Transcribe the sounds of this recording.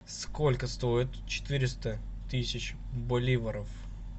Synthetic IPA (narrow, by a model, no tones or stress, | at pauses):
skolʲkəst̪o̞ɪt̪t͡ɕɪ̥t̪ɨɾʲɪst̪ə | t̪ɨsʲɪt͡ɕ | bɐlʲivəɾəf